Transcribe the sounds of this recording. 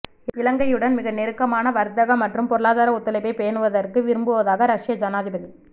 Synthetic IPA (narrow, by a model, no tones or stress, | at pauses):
ɪɪlɐŋɡɐjɯɽɐnmɪɣɐnɛɾɯkːɐmaːnɐʋɐɾɯt̪ːɐɣɐmɐʈrɯmpɔɾɯɭaːðaːɾɐʊt̪ːɐlɐɪpɐɪpejɐnɯʋɐðɐrkɯʋɪɾɯmbɯʋɐðaːɣɐɾɐʂɪjɐd͡ʒɐnaːðɪbɐðɯ